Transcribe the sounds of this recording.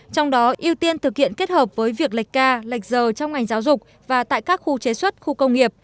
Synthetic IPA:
t͡ɕɔ˧wŋ͡mɗɔ˨˦ʔi˧əwt̪i˧ənt̪ʰɨ˨˩k̚hḭ˧˨ənke˦˥t̚həː˨˩p̚vəː˨˦jvi˨˩ək̚la˨˩jk̟̚kaː˧la˨˩jk̟̚zəː˨˩t͡ɕɔ˧wŋ͡mŋa˨˩jŋ̟zaː˨˦wzʊ˨˩k͡p̚ | vaː˨˩t̪a̰ː˧˨jkaː˦˥k̚xu˧t͡ɕe˨˦swə˦˥t̚xu˧kə˧wŋ͡mŋi˨˩əp̚

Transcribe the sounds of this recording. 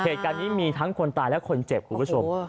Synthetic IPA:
heː˨˩t̪̚kaː˧nːiː˦˥miː˧t̪ʰa˦˥ŋkʰo˧nt̪aː˧jlɛ˦˥ʔkʰo˧nt͡ɕe˨˩p̚kʰuː˨˩bt͡ɕʰo˧m

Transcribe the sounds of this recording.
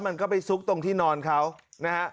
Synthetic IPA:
ma˧nkɔː˥˩pa˧jsu˦˥k̚t̪o˧ŋt̪ʰiː˥˩nɔː˧nkʰa˦˥wna˦˥ha˦˥ʔ

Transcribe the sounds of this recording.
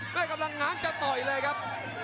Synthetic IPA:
maː˦˥˩ka˧mla˧ŋːaː˨˦˥nt͡ɕaː˧wt̪ɔ˨˩jləː˧jkʰaː˦˥p̚

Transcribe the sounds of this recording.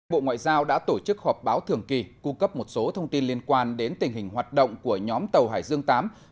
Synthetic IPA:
jɓo̰˧˨ŋwa̰ː˧˨jzaː˧wɗa̰ː˧˥t̪o˧˩t͡ɕɨ˦˥k̚hɔ˨˩p̚ɓaː˨˦wt̪ʰɨ˨˩əŋki˨˩ku˧kə˦˥p̚mo˨˩t̚so˨˦t̪ʰə˧wŋ͡mt̪i˧nli˧ənkwaː˧nɗe˨˦nt̪ï˨˩ŋ̟ɦï˨˩ŋ̟ɦwaː˨˩t̚ɗə̰˧˨wŋ͡mku˧˩əɲɔ˨˦mt̪ə˨˩wɦaː˧˩jzɨ˧əŋt̪aː˨˦m

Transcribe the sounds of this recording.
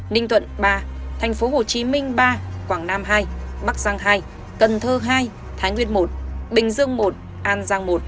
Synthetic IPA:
nï˧ŋ̟t̪ʰwə̰˧˨nɓaː˧t̪ʰɛ˨˩jŋ̟fo˨˦ho˨˩t͡ɕi˨˦mï˧ŋ̟ɓaː˧kwaː˧˩ŋnaː˧mɦaː˧jɓa˦˥k̚z̥aː˧ŋɦaː˧j | kə˨˩nt̪ʰəː˧˩ɦaː˧j | t̪ʰaː˨˦jŋwi˧ənmo˨˩t̚ɓï˨˩ŋ̟zɨ˧əŋmo˨˩t̚ | ʔaː˧nzaː˧ŋmo˨˩t̚

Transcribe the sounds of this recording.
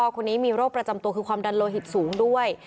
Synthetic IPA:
kʰo˧nːiː˦˥miː˧ɾoː˥˩k̚pɾa˧t͡ɕa˧mt̪u˧kʰɯː˧kʰwaː˧mda˧nloː˧ɦi˨˩t̪̚suː˩˦ŋdu˥˩əj

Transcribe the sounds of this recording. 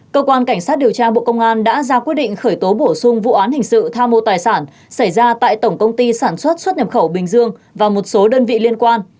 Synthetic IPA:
kəː˧kwaː˧nka˧˩jŋ̟saː˦˥t̚ɗi˨˩əwt͡ɕaː˧ɓo̰˧˨kə˧wŋ͡mʔaː˧nɗa̰ː˧˥zaː˧kwi˦˥t̚ɗḭ̈˧˨ŋ̟xəː˧˩jt̪o˨˦ɓo˧˩sʊ˧ŋ͡mvṵ˧˨ʔaː˨˦nhï˨˩ŋ̟sɨ̰˧˨t̪ʰaː˧mːo˧˨t̪aː˨˩jsaː˧˩n | sa˧˩jzaː˧t̪a̰ː˧˨jt̪ə˧˩wŋ͡mkə˧wŋ͡mt̪i˧saː˧˩nswə˦˥t̚swə˦˥t̚ɲə˨˩p̚xə˧˩wɓï˨˩ŋ̟zɨ˧əŋvaː˨˩mo˨˩t̚so˨˦ɗəː˧nvḭ˧˨li˧ənkwaː˧n

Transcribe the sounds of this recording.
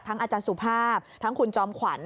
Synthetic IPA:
t̪ʰa˦˥ŋʔaː˧t͡ɕaː˧nsu˨˩pʰaː˥˩p̚t̪ʰa˦˥ŋkʰu˧nt͡ɕɔː˧mkʰwa˨˩˦n

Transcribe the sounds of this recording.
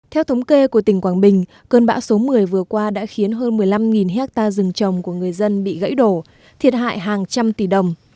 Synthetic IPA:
t̪ʰɛ˧wt̪ʰə˨˦wŋ͡mke˧ku˧˩ət̪ï˧˩ŋ̟kwaː˧˩nɓï˨˩ŋ̟ | kəː˧nɓa̰ː˧˥wso˨˦mɨ˨˩əjvɨ˨˩əkwaː˧ɗa̰ː˧˥xi˨˦ənɦəː˧nmɨ˨˩əjla˧mŋi˨˩nɦɛ˦˥t̚t̪aː˧zɨ˨˩ŋt͡ɕə˨˩wŋ͡mku˧˩əŋɨ˨˩əjzə˧nɓḭ˧˨ɣə̰˧˥jɗo˧˩ | t̪ʰi˨˩ət̚ɦa̰ː˧˨jɦaː˨˩ŋt͡ɕa˧mt̪i˧˩ɗə˨˩wŋ͡m

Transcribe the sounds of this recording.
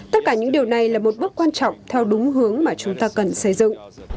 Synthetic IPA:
t̪ə˦˥t̚kaː˧˩ɲɨ̰˧˥ŋɗi˨˩əwna˨˩jlaː˨˩mo˨˩t̚ɓɨ˦˥ək̚kwaː˧nt͡ɕɔ̰˧˨wŋ͡mt̪ʰɛ˧wɗʊ˨˦ŋ͡mɦɨ˨˦əŋmaː˨˩t͡ɕʊ˨˦ŋ͡mt̪aː˧kə˨˩nsə˧˩jzɨ̰˧˨ŋ

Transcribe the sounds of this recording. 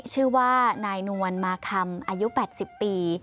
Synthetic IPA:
t͡ɕʰɯː˥˩waː˥˩naː˧jnu˧ənmaː˧kʰa˧mʔaː˧ju˦˥pɛː˨˩t̪̚si˨˩pːiː˧

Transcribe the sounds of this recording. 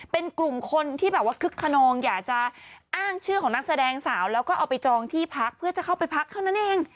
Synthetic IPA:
pe˧nklu˨˩mkʰo˧nt̪ʰiː˥˩bɛː˨˩p̚waː˥˩kʰɯ˦˥kʰːa˧nɔː˧ŋjaː˨˩k̚t͡ɕa˨˩ʔaː˥˩ŋt͡ɕʰɯː˥˩kʰɔː˩˦na˦˥k̚sa˧dɛː˧ŋsaː˩˦wlɛː˦˥wkɔː˥˩ʔaː˨˧˩wpa˧jt͡ɕɔː˧ŋt̪ʰiː˥˩pʰa˦˥k̚pʰɯ˥˩t͡ɕa˨˩kʰa˥˩wpa˧jpʰa˦˥k̚t̪ʰa˥˩wna˦˥nʔeː˧ŋ

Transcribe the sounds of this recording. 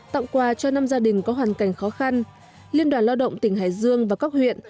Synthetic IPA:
t̪a̰˧˨wŋ͡mkwaː˨˩t͡ɕɔ˧na˧mzaː˧ɗï˨˩ŋ̟kɔ˨˦ɦwaː˨˩nka˧˩jŋ̟xɔ˨˦xa˧n | li˧ənɗwaː˧˩nla˧wɗə̰˧˨wŋ͡mt̪ï˧˩ŋ̟ɦa̰ː˧˩˨jzɨ˧əŋvaː˨˩ka˦˥k̚hwḭ˧˨ən

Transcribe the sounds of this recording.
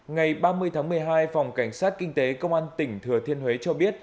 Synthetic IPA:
ŋa˨˩jɓaː˧mɨ˧əjt̪ʰaː˨˦ŋmɨ˨˩əjɦaː˧jfa˨˩wŋ͡mka˧˩jŋ̟saː˦˥t̚kï˧ŋ̟t̪e˨˦kə˧wŋ͡mʔaː˧nt̪ï˧˩ŋ̟t̪ʰɨ˨˩ət̪ʰi˧ənhwe˨˦t͡ɕɔ˧ɓi˦˥ət̚

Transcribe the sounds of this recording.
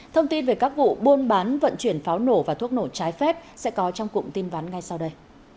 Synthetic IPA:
t̪ʰə˧wŋ͡mt̪i˧nve˨˩kaː˦˥k̚vṵ˧˨ɓu˧ənɓaː˨˦nvə̰˧˨nt͡ɕwi˧˩ənfaː˨˦wno˧˩vaː˨˩t̪u˦˥ək̚no˧˩t͡ɕaː˨˦jfɛ˦˥p̚sɛ̰˧˥kɔ˨˦t͡ɕɔ˧wŋ͡mkʊ̰˧˨ŋ͡mt̪i˧nvaː˨˦nŋa˧jsa˧wɗə˧j

